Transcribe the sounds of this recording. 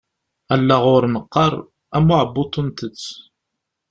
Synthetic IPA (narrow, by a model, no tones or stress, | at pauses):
ælːaʁʊɾnəqːɑɾˤ | æmʊʕəbːʊt̪ˤːənt̪ət͡sː